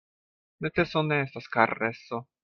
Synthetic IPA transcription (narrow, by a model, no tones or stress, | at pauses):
met̪esoneestaskaɾeso